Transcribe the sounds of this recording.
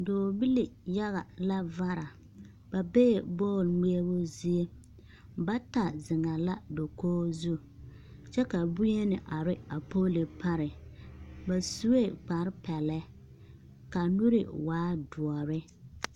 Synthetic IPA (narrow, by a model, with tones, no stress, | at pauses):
doː˨bi˦li˨ja˦ɣa˨la˦va˦ɾa˨ | ba˨be˦˨bɔː˦˨lme˦e˦bʊ˦zi˦e˦ | ba˦ta˨zɪ˨ŋa˨la˦do˨koː˦zu˦˨ | t͡ʃɛ˦ka˨bu˦je˦nɪ˨ʔa˨ɾɪ˦a˨poː˦le˨pa˦ɾɪ˨ | ba˨su˦e˦ɡ͡ba˨ɾpɛ˨lɛ˦ | ka˨nu˦ɾɪ̰˨waː˨˦dʊ˨ɔ˨ɾɪ˦